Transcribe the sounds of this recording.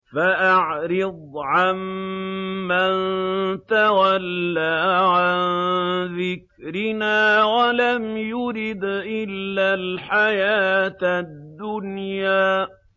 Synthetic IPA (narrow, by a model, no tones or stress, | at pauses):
faʔaʕɾɪd̪ˤʕamː | ant̪awalːaːʕannðɪk̚ | ɾɪnaːwalamjʊɾɪd̪ʔɪlːalħajaːt̪ad̪ːʊnjaː